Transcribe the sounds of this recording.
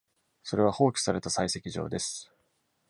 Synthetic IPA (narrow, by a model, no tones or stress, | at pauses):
so̞ɾe̞β̞aho̞ːkʲi̥saɾe̞t̪asaise̞kʲiʑo̞̰ːd̪e̞sɨ̥